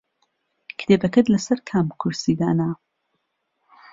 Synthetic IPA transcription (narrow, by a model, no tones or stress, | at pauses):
kʰt̪ʰeːbɐkɐt̪lɐsɐɾkʰamkʰuɾsiːd̪a̰ːna